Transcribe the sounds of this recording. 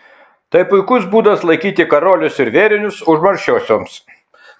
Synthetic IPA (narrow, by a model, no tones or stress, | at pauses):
t̪ɐɪpʊɪkʊsbuːd̪ɐslˠɐɪkʲiːt̪ʲɪkɐɾoːlʲʊsɪɾʋʲeːɾʲɪnʲʊsʊʒmɐɾʲʃʲoːsʲoːms